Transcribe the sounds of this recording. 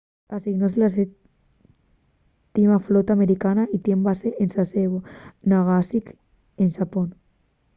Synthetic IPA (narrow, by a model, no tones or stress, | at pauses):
asiɣnoselas̬e | t̪imaflot̪ameɾikanaʔit̪je̞mbaseʔensaseɣonaɣasik | enʃapon